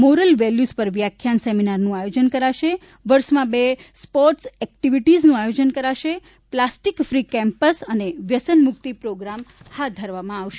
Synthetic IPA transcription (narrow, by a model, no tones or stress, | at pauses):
moɾəlʋɛljuspəɾʋjakʰːjanseminaɾnũajod͡ʒənkəɾaʃe | ʋəɾʃmãbespɔɾʈsɛk̚ʈiʋiʈiznũajod͡ʒənkəɾaʃe | plasʈikfɾikɛ̃mpəsəneʋjəsənmʊk̚t̪ipɾoɡɾamhat̪̚d̪ʱəɾʋamãaʋʃe